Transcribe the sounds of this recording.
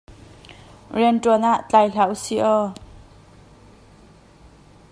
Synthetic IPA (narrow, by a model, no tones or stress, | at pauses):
rɛntɔnaʔt͡ɬajɬawsiʔɔ